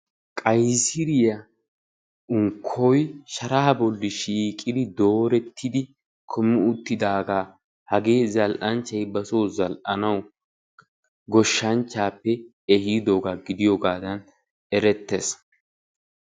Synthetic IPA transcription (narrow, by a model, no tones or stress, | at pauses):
kʼɐjsɪɾɪjɐ | ʊŋkʰːɔjʃɐɾɐhɐbɔlːɪʃiːkʼːɪd̪ɪd̪o̞ːɾɛt̪ʰːɪd̪ɪ | kʰʊmːɪʊt̪ːɪd̪aːɡaː | hɐɡe̞ːzɐlʔɐnt͡ʃːɐjbɐsoːzɐlʔɐnɐw | ɡɔʃːɐnt͡ʃːaːpːɛ | ɛhiːd̪oːɡaːɡɪd̪ɪjoɡaːd̪ɐn | ɛɾɛt̪ːes